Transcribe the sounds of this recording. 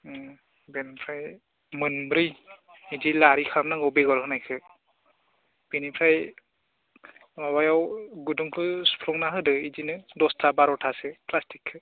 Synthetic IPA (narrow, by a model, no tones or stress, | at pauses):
benpʰɾaj | mɯnbɾij | id͡ʒilaɾikʰamnaŋɡɯwbeɡɔlhɯnajkʰɯ | b̥inipʰɾaj | mabajawɡuduŋkʰɯspʰɾɔŋnaɦɯdɯid͡ʒinɯdɔstʰabaɾɔtʰasɯplastikʰːɯ